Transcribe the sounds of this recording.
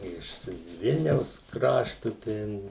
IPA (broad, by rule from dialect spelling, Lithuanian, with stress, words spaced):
ˈɪʃ ˈʋʲɪlʲnʲɛʊs ˈkrɑːʃtʊ ˈtʲɛn